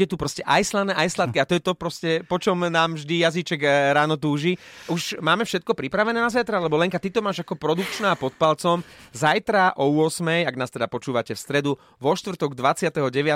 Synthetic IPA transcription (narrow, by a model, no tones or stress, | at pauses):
ɛt̪upɾɔscɛʔajslanɛːʔajslat̪kiat̪ɔjɛt̪ɔpɾɔscɛpɔt͡ʃɔmnaːmvʒd̪ijazit͡ʃɛɡɾaːnɔt̪̬uːʒiʔuʒmaːmɛfʃɛt̪̚kɔpɾipɾaʋɛnɛːnazajt̪ɾalɛbɔlɛŋkat̪it̪ɔmaːʒakɔpɾɔd̪ukt͡ʃnaapɔt̪̚palt͡sɔmzajt̪ɾaʔɔʊɔsmɛjaɡnaːst̪ɛd̪apɔt͡ʃuːʋacɛfst̪ɾɛd̪u | ʋɔʃt̪ʋr̩t̪ɔɡd̪ʋat͡sɪat̪ɛɦɔɟɛʋɪa